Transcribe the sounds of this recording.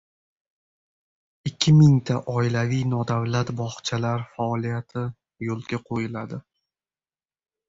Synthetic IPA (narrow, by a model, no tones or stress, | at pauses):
ɪkʲʰːɪmɪŋt̪ʰaʔɒɪlavijnɒd̪avlat̪bɒχt͡ʃʰalaɾfaːlijat̪ʰɪ | jolˠɡʲaqʰojɪlad̪ɪ